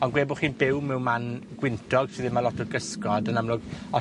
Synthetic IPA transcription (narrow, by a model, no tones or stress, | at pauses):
ɔnɡweːbʊχiːnbɪwmɛwmanɡ̥wɪntʰɔɡ̥sʰiðɪnmalɔtʰʊd̚ɡəskɔdənamlʊɡɔ